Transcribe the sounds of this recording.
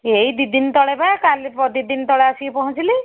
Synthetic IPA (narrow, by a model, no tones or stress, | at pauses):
ejd̪id̪int̪ɔɽebakalpɔd̪id̪int̪ɔɭeasiepɔɦũt͡ʃʰili